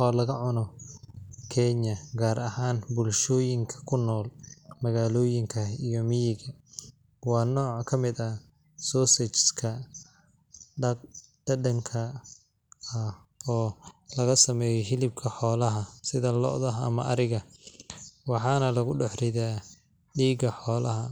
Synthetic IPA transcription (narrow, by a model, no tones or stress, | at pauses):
ɔːlɐɣɐʕʊnɔ | kʰɛɲɐɡaːɾʔɐhaːnbʊlʃɔːjɪŋkʰɐ̥kʰʊnːɔːlmɐɣaːlɔːjɪŋkʰɐijɔmijɪɣɐ | wɑːnɔːʕkʰɐmɪd̪ɐ | sɔːsɛt͡ʃskʰɐ | ɖ̥ɐɖɐŋkʰɐ | ɐ | ɔːlɐɣɐsɐmɛːjɛɦɪlɪb̚kʰɐħɔːlɐɦɐsɪðɐlɔ̰ʔðɐɦɐ̰mɐʔɐɾɪɣɐ | wɑħɑːnɐlɐɣʊɖɛħrɪðaː | ɖiːɡɐħɔːlɐɦɐ